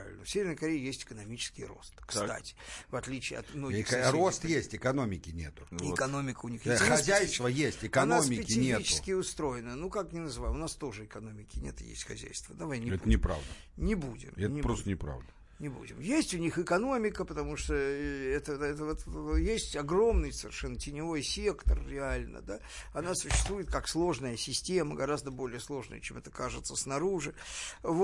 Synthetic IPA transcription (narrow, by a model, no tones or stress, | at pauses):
vʲɪ̰lʲnəfsʲevʲɪrnəjkɐɾʲejɪjesʲtʲɪ̥kənɐmʲit͡ɕɪ̥skʲɪjro̞̰st̪kst̪a̰tʲɪ̥vɐt̪lʲit͡ɕɪ̰ɐ̰t̪mnoɪxrost̪jesʲtʲɪkɐno̞mʲɪkʲɪnʲḛt̪ʊɪkɐno̞mʲɪkəʊnʲixexɐzʲæjst̪vəjesʲtʲɪkɐnomʲɪpʲɪkʲɪɪnʲeitt͡ɕɪʊskʲɪʊst̪ɾo̞jɪnənukaknʲɪnəzɨvajʊnast̪o̞ʐɨɪkɐno̞mʲɪkʲɪnʲet̪ɨjḛsʲtʲxɐ̰zʲæ̰jst̪vəd̪ɐvajnʲɪɛt̪nʲɪpɾa̰vd̪ə | nʲɪbudʲɪ̰mɛnʲɪpɾost̪ənʲɪpɾa̰vd̪ə | nʲɪbṵdʲɪ̰mjesʲtʲʊnʲixɪkɐno̞mʲɪkəpət̪ɐmuʂt̪oɛt̪əɛt̪əvɛt̪ət̪jesʲtʲɐɡro̞mnɨjsəvʲɪrʂɛnːətʲɪnʲɪvo̞jsʲe̞kt̪ərɾʲɪalʲnə̰d̪a | ɐnasʊ̥ɕːɪ̥st̪vujɪt̪kakslˠo̞ʐnəjəsʲɪsʲtʲe̞məɡɐɾazd̪əbo̞lʲɪjəslˠo̞ʐnə̰jə̰t͡ɕemɛt̪əkaʐɨt̪səsnɐɾuʐɨv